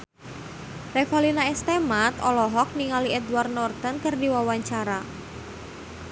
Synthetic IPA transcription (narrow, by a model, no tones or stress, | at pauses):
refalinaɛst̪emat̪ɔlɔɦɔk̚niŋaliɛduwart̪nɔrd̪ankərdiwawaɲt͡ʃaɾa